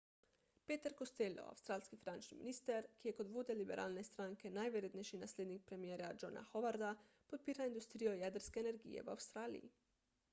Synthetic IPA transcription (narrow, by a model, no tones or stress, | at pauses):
peːt̪əɾkost̪elɔ̰a̰wst̪ɾaːlskifinant͡ʃnḭmḭniːst̪ɛɾkijɛkot̪ʋoːd̪ɛlibɛ̰ɾʔa̰ːlnɛst̪ɾaːŋkɛnajʋɛɾjeːd̪nɛjʃinasleːd̪nik̚pɾemjeːɾad͡ʒona̰xoʋaɾd̪a | pot̪̚piːɾaind̪ust̪ɾiːjojɛd̪əɾskɛːnɛɾɡḭjɛ̰ʋa̰wst̪ɾaːlḭjḭ